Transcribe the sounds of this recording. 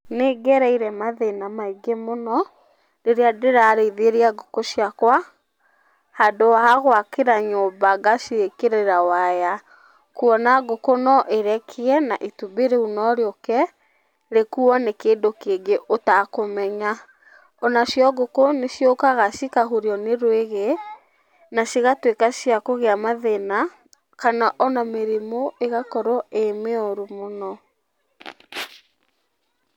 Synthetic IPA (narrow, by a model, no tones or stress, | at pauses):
neːɡɛɾɛiɾɛmaðenamaiɡemonɔ | ɾeɾeadeɾaɾeiðeeɾeaɡokoɕjakwa | hadoaaɣwakeɾaɲoːbaɡasiekeɾeɾawaja | kuɔnaɡokonɔʔeɾɛkʰiɛnaʔitubeɾeunɔɾeɔkɛ | ɾekuɔnekeːndokeːɡeʔotakomɛɲa | ɔnasjɔɡokonesjokaɣasikaɦuɾiɔneɾweɣe | nasiɣatwekasjakoɣeamaðɛna | kanaʔɔnameɾemoeɣakɔɾɔemeɔɾumonɔ